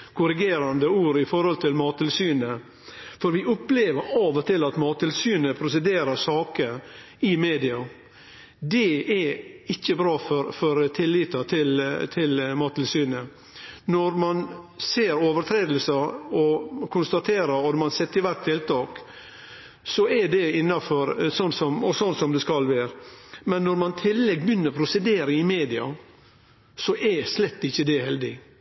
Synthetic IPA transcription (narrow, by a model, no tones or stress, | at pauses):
kʰʊɾɪɡeːɾɑnd̪əuːɾɪfɔɾhɔlt̪ʰɪlmɑːt̪ʰːɪlsyːnə | fɔɾʋɪʔʊpleːʋəɾɑʋɔt̪ʰɪlɑt̪mɑːt̪ʰːɪlsyːnəpʰɾʊsɛd̪eːɾəɾsɑːkə | ɪmeːd̪ɪɑ | d̪ɛɛɪçːəbɾɑːfɔɾfɔɾt̪ʰɪlːɪt̪ɑt̪ʰɪlt̪ʰɪlmɑːt̪ʰːɪlsyːnə | nɔɾmɑnseːɾoːʋəɾt̪ʰɾeːd̪l̩sɑɔkʰʊnst̪ɑt̪ʰeːɾəɾɔd̪mɑnsɛt̪ːəɾʋæɾk̚t̪ʰːɪlt̪ʰɑːk | sɔɛɖɛɪnːɑfɔɾsɔnːsɔmɔsɔnːsɔmd̪ɛskɑlʋæːɾmɛnːɔɾmɑnt̪ʰɪlːɛɡbjʏnːəɾpʰɾʊsɛd̪eːɾəɪmeːd̪ɪɑ̰ | sɔʔɛslɛt̪ːɪçːəd̪ɛhɛld̪ɪ